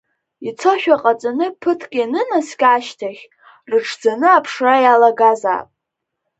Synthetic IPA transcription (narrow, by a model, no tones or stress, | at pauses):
it͡sʰoʃᶣaqʼat͡sʼanɨpʰɨtʰkʲʼjnɨnasɡʲʼaːʃtʰaχʲ | rɨʈ͡ʂʰd͡zanɨapʰʂrajalaɡaza̰ːpʼ